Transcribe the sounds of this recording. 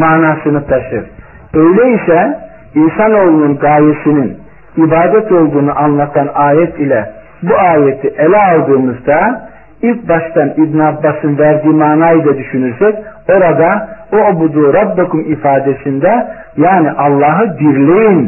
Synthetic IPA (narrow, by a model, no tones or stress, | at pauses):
maːnaːsɯnɯt̪ʰaʃɯɾ̥ | øjlʲɛisɛ | insano̞ːlˠununɡaːjesinin | ibaːd̪ɛt̪o̞lˠd̪uːnuʔanlˠat̪ʰanaːjɛt̪ʰilʲɛ | buaːjet̪ʰiʔelʲɛalˠd̪ɯːmɯzd̪a | ilʲc̚baʃt̪ʰanibniabːasɯnvæɾd̪iːmaːnaːjɯd̪ad̪yʃynyɾsɛco̞ɾad̪aubud̪uːɾɑbːakʰumifaːd̪esind̪ɛ | jaːniʔɑlˠːɑːɦɯbiɾlʲejin